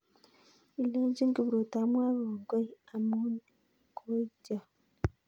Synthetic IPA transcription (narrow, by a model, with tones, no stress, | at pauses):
i˨le˦ɲɟi˦ŋɡi˨βɾu˨ta˨˦mwaː˦βoː˨ŋɡo˦ja˨mu˦n | kʰu˦ɟa˨